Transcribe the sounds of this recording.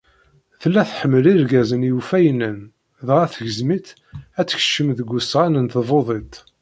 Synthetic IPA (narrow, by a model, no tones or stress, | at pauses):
θlːæθħəmːliɾɡæzənjufæjnən | ðʁæθəʝəzmit̪ | æt͡sːə̥ç̥ʃəmðəɡʷːusʁænənθvˤoðˤet̪ˤ